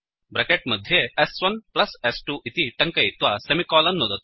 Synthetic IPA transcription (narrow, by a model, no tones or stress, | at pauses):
bɾɐkeʈ̚mɐd̪ʱːjeɛsʋɐnplɐsɛsʈuʔit̪iʈɐŋkɐjit̪ʋasemikɔːlɐnːod̪ɐt̪